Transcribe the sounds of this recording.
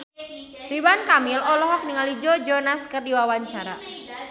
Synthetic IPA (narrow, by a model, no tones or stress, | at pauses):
ɾibankamilɔlɔɦɔk̚niŋalid͡ʒɔd͡ʒɔnaskərdiwawaɲt͡ʃaɾa̰